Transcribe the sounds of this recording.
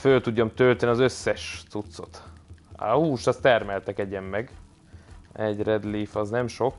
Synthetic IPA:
følt̪uɟːomt̪ølt̪ɛniɒzøsːɛʃt̪sut̪so̞̰t̪a̰uːʃt̪ɒst̪ɛrmɛlt̪ɛkɛɟɛmːɛɡ | ɛɟrɛd̪liːfɒznɛmʃo̞k

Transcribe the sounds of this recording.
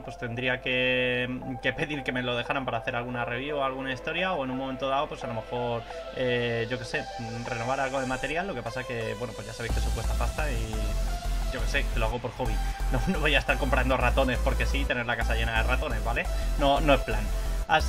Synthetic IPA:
pwe̞st̪e̞nd̪ɾiake̞ | ke̞pe̞ðiɾke̞me̞lo̞ðe̞xaɾampaɾaːθe̞ɾalɣunare̞β̞juoalɣunaist̪o̞ɾjao̞e̞nunmome̞nt̪o̞ðaopwe̞salo̞me̞xo̞ɾ | eʝo̞ke̞se̞ | re̞no̞βaɾalɣ̞o̞ðemat̪e̞ɾjalːo̞ke̞pasake̞βweno̞pwo̞ʝasaβejskesokwest̪apast̪ai | ɟ͡ʝo̞ke̞se̞keloaɣo̞po̞ɾxo̞βinonoβo̞jaest̪aɾko̞mpɾand̪o̞rat̪o̞ne̞spo̞ɾke̞sit̪e̞ne̞ɾlakasaʝe̞naðe̞rat̪o̞ne̞zβale̞no̞no̞e̞splanas

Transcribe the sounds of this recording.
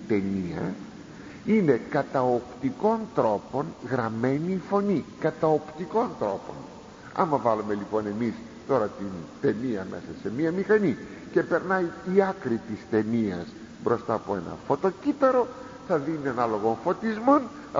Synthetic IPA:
t̪e̞niɐ̰ | ine̞kɐt̪ɐopt̪iko̞nt̪ɾo̞po̞nɣɾɐme̞niːfo̞nikɐt̪ɐopt̪iko̞nt̪ɾo̞po̞̰n | ɐ̰mɐvɐlume̞lipo̞ne̞mis | t̪o̞ɾɐt̪int̪e̞niɐme̞̰sɐse̞miɐmixɐni | ce̞pe̞ɾnɐjiɐkɾit̪ist̪e̞niɐ̰s | bɾo̞st̪ɐːpoe̞nɐ̰fo̞t̪o̞cit̪ɐɾo̞ | θɐðiniɐnɐlo̞ɣo̞nfo̞t̪izmo̞n

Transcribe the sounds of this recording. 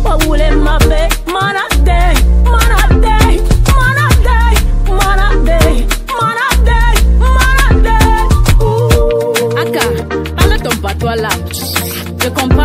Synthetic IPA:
k͡pɔwulem̩mapemanademanademanademanademanademanade | aka | alɛtɔmpatuala | ekɔ̃mpa

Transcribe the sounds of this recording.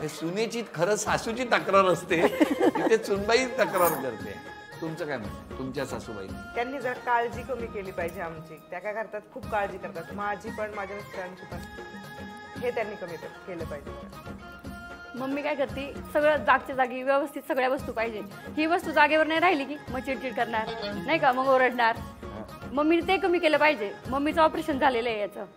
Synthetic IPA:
ɦesunet͡ɕiːt̪kʰəɾəsasut͡ɕiːt̪əkɾaɾəst̪ekit̪et͡sunbaiːt̪əkɾaɾkəɾt̪ḛ | t̪umt͡səkajm̤ə̰ɳt̪at̪umt͡ɕjasasuba̰ḭkt̪janːiːd͡zəɾakald͡ʑiːkəmiːkeliːpaɦid͡ʑeamt͡ɕiːt̪jakajkʰəɾt̪at̪kʰuːbkald͡ʑiːkəɾt̪at̪mad͡ʑʱiːpəɳmad͡ʑʱaəst̪ʰəəɳt͡ɕʰiːpəst̪iː | ɦet̪janːiːkəmiːt̪əɾkeləːpaɦid͡ʑe | məɡmiːkajkəɾt̪iːsəɡɭəd͡zaɡ̚t͡ɕad͡zaɡiːʋjəʋəst̪ʰit̪səɡɭjaʋəst̪uːpaɦid͡ʑe | hiːʋəst̪uːd͡zaɡeʋəɾnajɾaɦiliːkiːmət͡ɕiʈkiːʈ̚kəɾɳaɾnaɦikaməɡoɾəɽɳaɾɦ | məɡmiːt̪ekəmiːkeləpaɦid͡ʑeməɡmːit͡səɔpɾeɕənd͡zʱaleləejat͡sə

